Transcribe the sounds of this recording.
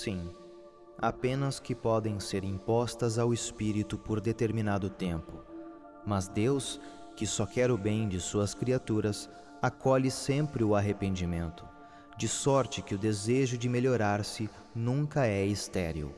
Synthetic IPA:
sĩ | apẽnɐskɪpɔd̪ẽj̃seɾĩpɔst̪ɐzawespiɾit̪ʊpoɾd̪et̪eɾminad̪ʊt̪ẽmpʊ | mɐzd̪ews | kɪsɔkɛɾʊbẽj̃d͡ʒɪsuɐskɾiat̪uɾɐs | akɔʎɪsẽmpɾɪʊaɦepẽnd͡ʒimẽnt̪ʊ̥ | d͡ʒɪsɔɾt͡ʃɪkɪʊd̪ezeʒʊd͡ʒɪmeʎoɾaɾsɪ | nũŋkɐɛist̪ɛ̰ɾiṵ

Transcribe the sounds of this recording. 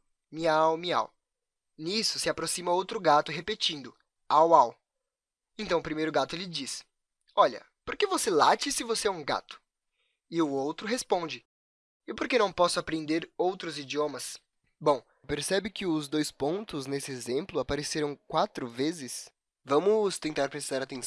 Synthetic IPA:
miawmia̰w | nisʊsɪapɾosĩmɐowt̪ɾʊɡat̪ʊɦepet͡ʃĩnd̪ʊ | awaw | ẽnt̪ɐ̃w̃ʊpɾimejɾʊɡat̪ʊlɪd͡ʒis | ɔʎɐ̰ | poɾkevosela̰t͡ʃɪsɪvoseɛũɡa̰t̪ʊ̥ | ɪʊowt̪ɾʊɦespõd͡ʒɪ | ɪpoɾkenɐ̃w̃pɔsʊapɾẽnd̪eɾowt̪ɾʊzid͡ʒiõmɐs | bõw̃ | peɾsɛbɪkɪʊzd̪ojspõnt̪ʊznesɪezẽmplʊapaɾeseɾɐ̃w̃kwat̪ɾʊvezɪs | vɐ̃mʊst̪ẽnt̪aɾpɾest̪aɾat̪ẽ

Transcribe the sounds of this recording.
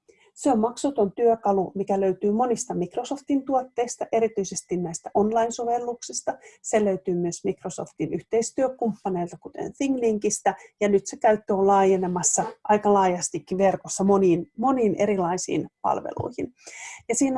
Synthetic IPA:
seommɑksut̪ont̪yøkɑlumikæløyt̪yːmo̞nist̪ɑmikrosoft̪int̪uot̪ːeist̪ɑʔeɾit̪yisest̪innæist̪æʔonlɑinsoʋelːuksist̪ɑseløyt̪yːmyøsmikroso̰ft̪inyht̪eist̪yøkumpːɑneilt̪ɑkut̪ḛnθiŋliŋkist̪æjɑnyt̪sekæyt̪ːoːlɑːjenemɑsːɑʔɑikɑlɑːjɑst̪ikːiʋerkosːɑmoniːnmoniːneɾilɑisḭːnpɑ̰lʋḛlṵihinjɑsiːn

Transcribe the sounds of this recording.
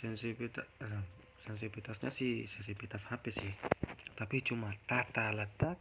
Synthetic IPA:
sɛnsipit̪a | sɛns̬ipit̪asɲa̰sihsɛnsipit̪ashapɛsiht̪apit͡ʃumat̪at̪alat̪a

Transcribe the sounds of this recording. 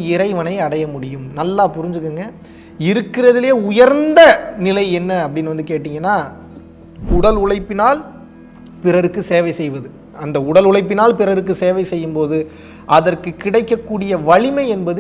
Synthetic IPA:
ɪɾɐɪʋɐnɐɪɐɽɐjɐmʊɽɪjɯmnɐlːaːpʊɾɪɲd͡ʒɯkːɯŋɡɐ | ɪɾɯkːɪrɐðɪleːʊjɐɾnd̪ɐnɪlɐɪɛnːɐɐpːɐɽɪnːʋɐnd̪ɯkeːʈːiːŋɡɐnːaː | ʊɽɐlʊɻɐɪpːɪnaːl | pɪrɐɾɯkːɯseːʋɐɪsɛjʋɐðɯ | ɐnd̪ɐʊɽɐlʊɻɐɪp̬ːɪnaːlpɪrɐɾɯk̬ːɯseːʋɐɪsɛjːɯmpoːðɯ | ʔɐðɐrkɯkɪɽɐɪkːɐkːuːɽɪjɐʋɐɭɪmɐɪɛnbɐðɯ

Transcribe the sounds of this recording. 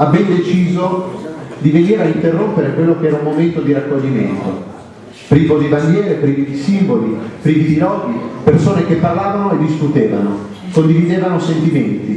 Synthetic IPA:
abɛnd̪et͡ʃiːzo | d̪iveniːɾaint̪erːompeɾekwelːokeɛːɾaumːoment̪od̪iɾakːoʎːimḛnt̪o̰ | pɾiːvod̪ibaŋɡjɛːɾepɾiːvid̪isimbolipɾiːvid̪inɔːd̪ipersoːnek̟epːarlaːvanoed̪ːiskut̪eːva̰no | kond̪ivid̪eːvanosent̪iment̪i

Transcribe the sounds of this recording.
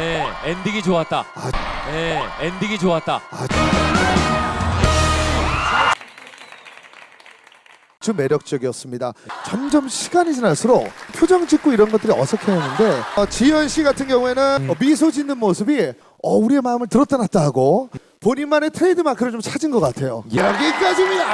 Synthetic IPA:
jeendiɡid͡ʑoat̚t͈aajeendiɡid͡ʑoat̚t͈aat͡ɕo | t͡ɕɯme̞ɾjʌk̚t͡ɕ͈ʌɡiʌs͈ɯmɲidat͡ɕʌmd͡ʑʌmɕʰi̥ɡaɲid͡ʑinasʰɯɾopʰjod͡ʑʌŋt͡ɕik̚k͈oiɾʌnɡʌt͈ɯɾiʌsʰʌkʰeʌnːɯnde̞t͡ɕijʌnɕʰiɡatʰɯnɡjʌŋue̞nɯnmisʰod͡ʑinːɯnmosʰɯbi | ʌuɾie̞maɯmɯɭtɯɾʌt͈ʌnat̚t͈aɦaɡo | poɲimanetʰɾeidɯmakʰɯɾɯɭt͡ɕomt͡ɕʰad͡ʑinɡʌk͈atʰe̞joɾaɡeiɡad͡ʑimida

